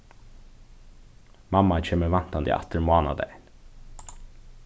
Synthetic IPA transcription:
mɑmat͡ʃʰeːməʋɑnt̪ɑnd̪ḭːʔɑ̰t̪əɾmoːnɑ̰d̪ɛ̰n

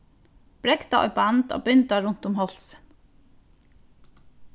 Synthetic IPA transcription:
b̥ɾɛɡd̪ɑʔɔ̰ʏbɑnd̪o̰ːbʏnd̪ɑɹʊnt̪ʊmhɔl̥sə̥n

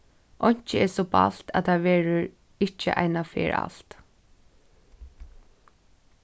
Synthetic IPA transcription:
ʔɔjɲ̥t͡ʃəɛɹsɔba̰l̥t̪a̰ðt̪ʰaʋɛːɹʊɹ | ɪt͡ʃːə̰ʔa̰jnafɛ̰ːɹʔa̰lt̪

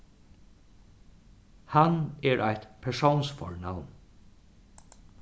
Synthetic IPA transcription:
hanɛɹʔajt̪pʰɛɹsownsfɔ̰ɹnawn

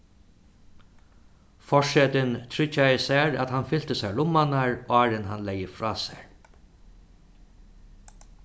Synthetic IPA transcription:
fɔʂɛːt̪ɪnt̪ʰɾʏt͡ʃːaɪsæːɹa̰t̪hanfɪl̥t̪əsæɹɭʊmːanaɹaːɹɪnɦanlɛjəfɾɑːsɛ̰ɹ

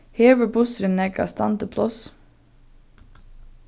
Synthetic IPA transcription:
heːʋəbʊsɾənɛɡɑ̰st̪ɑ̰nt̪əpʰlɔs

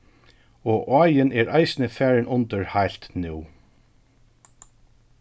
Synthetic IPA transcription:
ɔːʔɔːjɪnʔɛːɹʔaɪsnɪfæːɹɪnʔʊnt̪əɹhajl̥t̪nʉw

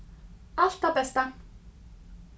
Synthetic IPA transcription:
aʃt̪apɛst̪a

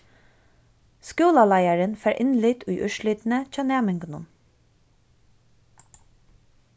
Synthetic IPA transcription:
skuːlalæjaɹənfæːɹʔɪnlɪt̪ʊjʔœʃlɪːt̪nət͡ʃɑːnæːmɪŋknʊn

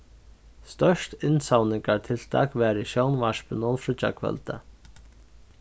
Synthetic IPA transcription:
st̪œʂt̪ɪnsawnɪŋkaɾt̪ʰɪlt̪ʰa̰ːkvɛːɾɪʃjownvaʂpʏnɔnfɾʏt͡ʃa̰kʰvœ̰lt̪a̰

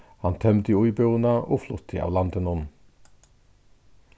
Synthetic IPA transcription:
hɑnt̪ʰœmd̪iʊʏbønɑʔoːflʊt̪ʰɪ̰ɑ̰ːʋlɑnd̪ənʊn

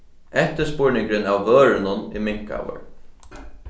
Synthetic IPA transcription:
ɛht̪əspʊɹnɪŋkɾɪnawvœːɾɪnʊnimɪŋ̥ka̰wʏ̰ɹ

